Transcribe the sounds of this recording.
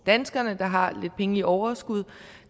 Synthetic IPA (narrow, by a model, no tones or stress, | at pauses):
d̥ænsɡ̥ɐnəd̥ɑ̈ɦɑ̈le̝d̥̚pʰeŋəliʔɒʊɐsɡ̥uð̞ˠ